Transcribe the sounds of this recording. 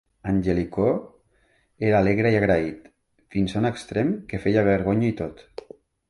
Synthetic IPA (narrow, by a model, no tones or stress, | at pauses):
anʲʒeliko | eɾaːleɣɾəiaɣɾait̪ | finsaunəkst̪ɾemkefejaβ̞əɾɣ̞oɲait̪ot̪